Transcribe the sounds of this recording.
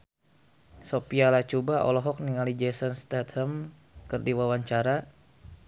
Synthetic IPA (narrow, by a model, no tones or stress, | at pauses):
sopialat͡ʃubaɔ̰lɔɦɔk̚niŋalid͡ʒɛsɔnst̪at̪həm | kɨrdiwawaɲt͡ʃaɾa